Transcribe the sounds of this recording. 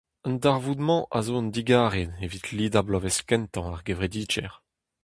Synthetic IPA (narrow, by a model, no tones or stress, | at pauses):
əndaʁvud̪mɑ̃ʔa̰zoəndiɡaːʁedevit̪liːdablɔvɛskɛ̃nt̪ɑ̃aʁɡevʁed̪iːd͡ʒɛʁ